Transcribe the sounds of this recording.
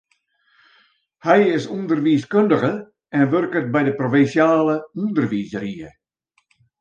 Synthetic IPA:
hɛjɪsundərʋiəskøndəɣə | ɛnʋørkət̚bɛjdəprofinsjaːləundərʋiːzəɾiə

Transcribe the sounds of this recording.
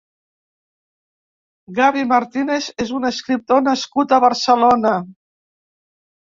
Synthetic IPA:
ɣaβimaɾt̪inezezunəskɾip̚t̪onəskut̪əβəɾsəlonə

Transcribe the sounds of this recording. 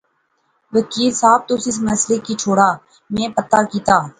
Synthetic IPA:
ʋəkiːlsaːb̚t̪osɪsməsleːkit͡ʃʰoːɽaː | mẽːpət̪aːkiːt̪aː

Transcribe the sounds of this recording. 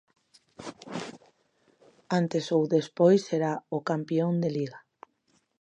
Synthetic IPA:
ant̪esowðespojsːeɾaokampjond̪eliɣa

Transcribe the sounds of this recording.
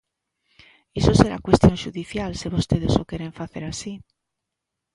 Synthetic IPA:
esoseɾa̰kwest̪jonʃuðiθjalseβost̪eðesokeɾeɱfaθeɾasi

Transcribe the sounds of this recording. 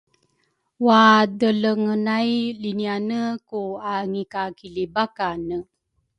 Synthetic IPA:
wadələŋənajlinianəkuaŋikakilibakanə

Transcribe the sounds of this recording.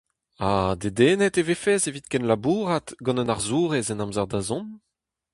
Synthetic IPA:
ad̪ed̪eːnɛt̪evefɛːzevit̪kɛnlabuːʁat̪ɡɑ̃nənaʁzuːʁɛzɛnãmzaʁd̪azɔ̃m

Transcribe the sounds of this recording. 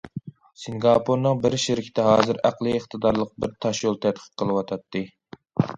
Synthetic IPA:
sɨŋɡɑpʰuɾnɨŋbɪɾʃɪɾɪkʲʰɪ̥t̪ʰɛɦɑːzɨɾæqlˠɨːχt̪ʰɨd̪ɑɾlˠəq̚bɪɾt̪ʰɑʃjolˠt̪ʰɛt̪̚qʰə̥qqʰːəlˠɨwɑt̪ʰɑt̪ːɨ

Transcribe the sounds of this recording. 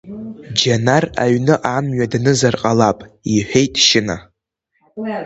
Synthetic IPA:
d͡ʒanara̰ɥnɨʔamɥadnɨzarqʼalapʼiħʷᶣejtʼʃɪna

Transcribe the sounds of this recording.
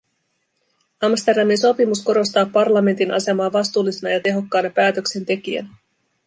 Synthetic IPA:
ɑmst̪e̞rdɑminso̞pimusko̞ɾo̞st̪ɑːpɑrlɑme̞nt̪inʔɑ̰se̞mɑːʋɑst̪uːlːisenɑjɑt̪e̞ɦo̞kːɑːnɑpæːt̪ø̞kse̞nt̪e̞k̟iæ̰n

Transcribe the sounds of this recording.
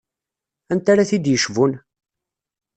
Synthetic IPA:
ænt̪aɾaθid̪jəʃvun

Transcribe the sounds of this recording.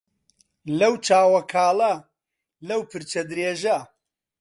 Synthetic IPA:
lɐwt͡ʃaːwɐkʰaːlɐ | lɐwpʰɨɾt͡ʃɐd̪ɾeːʒɐ

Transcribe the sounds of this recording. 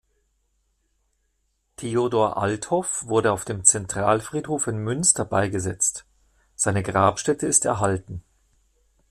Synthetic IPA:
tʰeːodoːɐʔa̰ltʰhɔfv̥ʊɐɾəaʊfd̥eːmt͡sɛntʁ̥aːlfʁ̥iːthoːfɪnmʏnstɐbaɪɡəzɛt͡st | z̥aɪnəɡʁaːpʃtɛtəɪstɛɐɦaltn̩

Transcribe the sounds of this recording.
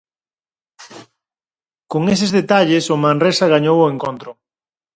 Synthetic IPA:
koŋes̬ezðet̪aʎesomãnresaɣ̞aɲowoeŋkont̪ɾo

